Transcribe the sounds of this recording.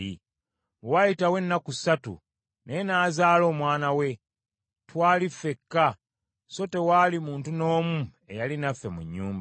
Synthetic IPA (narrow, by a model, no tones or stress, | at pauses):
ḭ | wajitawe̞nːakusatṵ | ne̞naːzaːlo̞ːmwaːnawe̞ | twaːlifːe̞kːa | so̞te̞walimuːntuno̞ːmu | e̞jalinafːe̞mṵɲːuːmb